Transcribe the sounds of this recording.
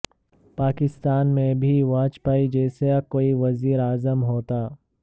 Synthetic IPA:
paːkɪst̪aːnmẽbʱiʋaːt͡ʃpaːid͡ʒɛːseakoːiʋɐziːɾaːzəmɦoːt̪aː

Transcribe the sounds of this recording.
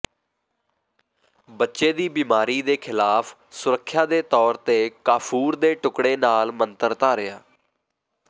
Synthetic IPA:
bətːʃeːd̪iːbiːmaːɾiːd̪eːkʰɪlaːpʰ | sʊɾəkʰːjaːd̪eːt̪ɔːɾt̪eːkaːpʰuːɾd̪eːʈʊkɽeːnaːlmənt̪əɾt̪aːɾɪjaː

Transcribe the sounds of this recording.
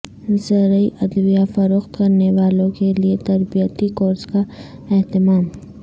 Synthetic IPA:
səɾəiʔɐd̪ʋijafɐɾoːxt̪kɐɾneʋaːlõkeliet̪ɐɾbijət̪ikoːɾzka | ɛɦt̪ɪmaːm

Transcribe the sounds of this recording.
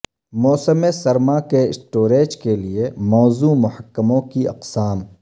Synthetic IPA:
mɔːsəmesɐɾmakesʈoːɾeːd͡ʒkeliemɔːzuːmʊɦəkːəmõkiɐ̰qsaːm

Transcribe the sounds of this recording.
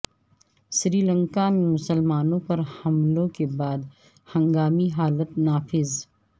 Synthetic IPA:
ʃɾiːlə̃ŋkamẽmʊsəlmaːnõpɐɾhɐmlõkebaːd̪ | hɐ̃ŋɡaːmiɦaːlət̪̚naːfɪz

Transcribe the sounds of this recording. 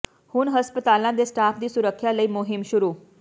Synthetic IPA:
hʊnɦəspət̪aːlãːd̪eːsʈaːpʰd̪iːsʊɾəkʰːjaləiːmʊɦɪmʃʊɾuː

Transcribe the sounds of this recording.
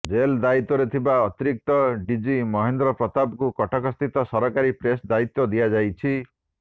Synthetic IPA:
d͡ʒeld̪ait̪ːɔɾet̪ʰibaɔt̪iɾik̚t̪ɔɖid͡ʒimɔɦend̪ɾɔpɾɔt̪abkukɔʈʰakɔst̪it̪ɔsɔɾɔkaɾipɾesd̪ait̪ːɔd̪iad͡ʒajt͡ʃʰi

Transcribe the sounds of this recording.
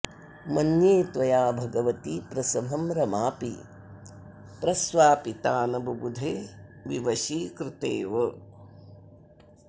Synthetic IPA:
mɐnjeːt̪ʋɐjaːbʱɐɡɐʋɐt̪ipɾɐsɐmʱɐmɾɐmaːpḭ | pɾɐsʋaːpit̪aːnɐbʱɐbud̪ʱeːʋiʋɐʃikɾɪt̪eːʋɐ

